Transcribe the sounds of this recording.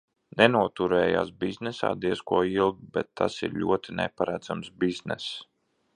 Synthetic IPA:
nɛnuɔt̪uɾɛːja̰ːsbiznɛsa̰ːd̪iɛskuɔilˠɡbɛt̪ʰːasḭɾʎʲṵɔt̪ʰinɛ̰paɾæd̪zamsbiznɛ̰s

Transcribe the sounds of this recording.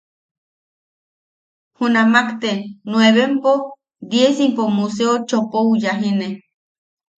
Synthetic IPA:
hunamakt̪enweβempo | d̪jesimpomus̬eot͡ʃopoujaɦine

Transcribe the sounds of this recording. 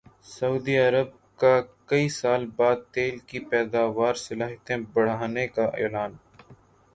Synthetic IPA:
sɐuːd̪iɐɾəb̚ | kakɐisaːlbaːd̪̚t̪eːlkipɛːd̪aːʋaːɾsɐlaːɦt̪ẽbɐɽ̤aːnekaʔḛːlaːn

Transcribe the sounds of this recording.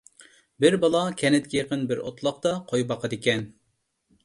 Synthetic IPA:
bɪɾbɑlˠɑkʲʰɛnɪt̪̚kʲɛjeqənbɪɾo̰t̪ʰlˠɑqt̪ɑqʰojbɑqʰɑd̪ɪkʲɛn

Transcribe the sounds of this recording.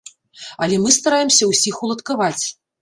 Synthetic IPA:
ɐlʲɛmɨst̪aɾajɛmsʲɐwsʲixulˠɐt̪kavat͡sʲ

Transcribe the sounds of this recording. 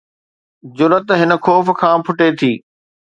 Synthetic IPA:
d͡ʑʊɾət̪ɦɪnə̆kʰɔːf̆kʰãːpʰʊʈet̪ʰiː

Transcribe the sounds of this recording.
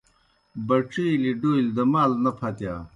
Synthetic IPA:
bɐʈ͡ʂiːliɖojld̪ɐmaːlnɐpʰɐt̪ja̰ː

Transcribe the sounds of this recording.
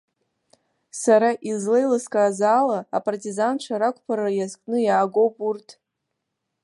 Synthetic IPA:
saɾaʔizlejlɨskʼaːzaːlaːpʼartʼizanʈ͡ʂʷʰaɾakʷʰʼpʰaɾaajazkʼnɨjaːɡo̞wpʼurtʰʼ

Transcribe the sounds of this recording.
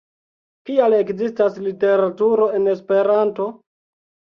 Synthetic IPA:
kiale̞kzistaslite̞ɾatuɾo̞e̞ne̞spe̞ɾanto̞

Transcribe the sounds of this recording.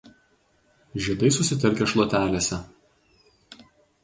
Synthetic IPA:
ʒʲid̪ɐɪsʊsʲɪt̪ʲɛɾʲkʲɛʃlˠoːt̪ʲæːlʲeːsʲɛ

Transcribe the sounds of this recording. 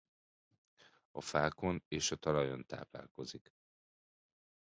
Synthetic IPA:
ɒfaːko̞neːʃɒt̪ɒlɒjo̞nt̪a̰ːpla̰ːlko̞zik

